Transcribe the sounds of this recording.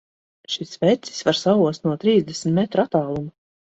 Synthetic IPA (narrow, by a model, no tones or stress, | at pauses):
ʃisvɛt̪si̥svaɾsavuɔst̪nuɔt̪ɾiːzd̪ɛsmt̪mɛt̪ɾuat̪aːlˠuma